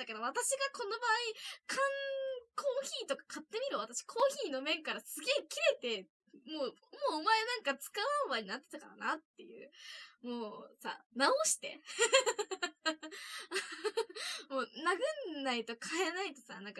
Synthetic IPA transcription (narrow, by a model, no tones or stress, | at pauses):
ake̞d̪o̞βat̪aɕiɡako̞no̞baːikʰãŋkʰo̞ːçiːt̪o̞kḁkʰat̪ːe̞mʲiɾɯ̟β̞at̪aɕi̥kʰo̞ːçiːno̞mẽ̞ŋkaɾasɨɡe̞ːkʲiɾe̞t̪e̞ | moːmoːmaeanãŋkat͡sɨ̥kaɯabaɲ̟inat̪ːet̪akaɾa̰nat̪ːe̞jɯ̟̰ːmoːsa̰naoɕi̥t̪e̞̰ | moːnaɡɯ̟nːait̪o̞kʰaenait̪o̞sa̰nãŋka